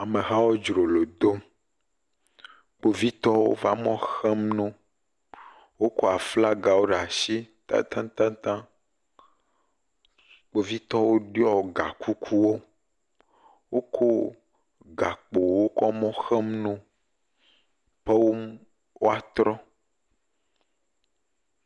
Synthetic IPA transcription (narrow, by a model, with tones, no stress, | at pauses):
a˨mẽ˨ɦa˦wo˦d͡ʒɾo˨lo˨d̪o˦m | k͡po˦vi˦t̪ɔ˦wo̰˦va˦mɔ̃˦xɛ˦mnõ˦ | wo˦ko˦a˨fla˦ɡa˨wo˦ɖe˨a˨ʃi˦ | t̪a̰˦t̪ã˦t̪ã˦t̪ã˦ | k͡po˦vi˦t̪ɔ˦wo˦ɖi˦ɔ˦˨ɡa˨kʰu˦kʰu˦wo˦ | wo˦kʰo˦ | ɡa˨k͡po˨wo˦kɔ˦mɔ̃˦xɛ˦mnõ˦ | pe˦wo˦ | wo˦a˨t̪ɾɔ˦